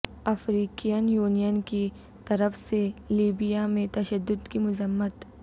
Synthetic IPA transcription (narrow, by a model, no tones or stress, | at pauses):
ɐfɾiːkijənjuːnijənki | t̪ɐɾəfseliːbijamẽt̪ɐʃəd̪ːʊd̪kimʊzəmːət̪